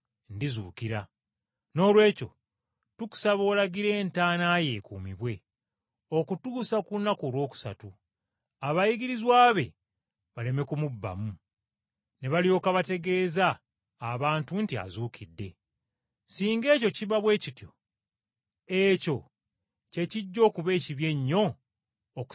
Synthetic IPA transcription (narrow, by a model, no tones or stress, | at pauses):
ndizuːkiɾa | no̞ːlwe̞ːco̞̰ | tuku̥saβo̞ːlaɡiɾe̞ːntaːnaːje̞ːkṵːmiβwe̞ | o̞kutuːsakunːakoːlwo̞ːku̥sa̰tu | aβajiɡiɾizwaːβe̞̰ | βale̞me̞kumubːa̰mu | ne̞βalijo̞ːkaβate̞ɡe̞ːzaː | βaːntuntia̰zuːkʰidːe̞̰ | siːŋɡe̞ːco̞ciβaβwe̞ːcitjo̞ | eco̞ | ce̞ciɟːo̞ːkuβe̞ːciβje̞ɲːo̞ː | k